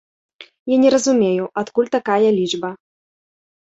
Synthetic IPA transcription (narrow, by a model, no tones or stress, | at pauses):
janʲɛɾɐzumʲejuʔat̪kulʲt̪akajɐlʲid͡ʐbɐ